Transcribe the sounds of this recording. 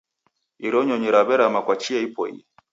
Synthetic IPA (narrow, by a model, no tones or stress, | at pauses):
iɾɔɲɔɲiɾaβɛɾamakwat͡ʃiaipɔḭ